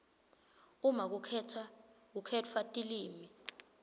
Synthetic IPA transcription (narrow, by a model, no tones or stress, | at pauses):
umak̬ukʰɛtʰak̬ukʰɛtʰwatʼiliːmi